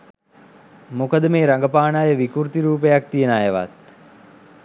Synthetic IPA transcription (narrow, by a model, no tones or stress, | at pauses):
mokəd̪əmeːɾaŋɡəpaːnaːjəʋikuɾt̪iɾuːpejak̚t̪ijenaːjeʋa̰t̪̚